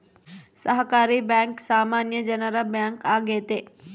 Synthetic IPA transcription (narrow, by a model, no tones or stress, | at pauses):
səɦkaːɾibɛ̃ːŋksaːmaːnjəd͡ʒɐnəɾɐbjaːŋkaːɡeːt̪eː